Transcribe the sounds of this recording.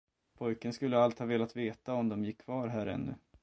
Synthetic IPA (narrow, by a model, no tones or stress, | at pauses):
pʰɔjkənskɵlːəalt̪hɑːveːlat̪veːt̪aɔmd̪ɔmjɪkʰːv̥ɑːɾɦæːɾɛ̰nːɵ̰